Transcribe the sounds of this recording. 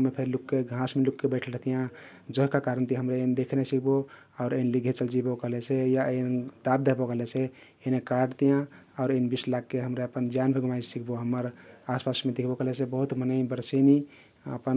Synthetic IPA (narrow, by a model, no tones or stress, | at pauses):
mepʰeɾlukːeɡʱãsmelukːebəɪʈʰəlɾəɦt̪ijã | d͡ʒəɦkakaɾənt̪iɦəmɾend̪ekʰnesikʰbo | aʊɾenliɡʱet͡ʃəld͡ʒibɔkəɦlesʰejaend̪ab̚d̪eɦbɔkəɦlet͡ʃʰe | enekaɖt̪ijãɔʊɾenbislakːeɦəmɾeəpənd͡ʒanpʰeɡʱumajsikʰboɦəməɾaspasmed̪ekʰbokəɦlesebəɦut̪mənəɪbəɾseni | ə̰pən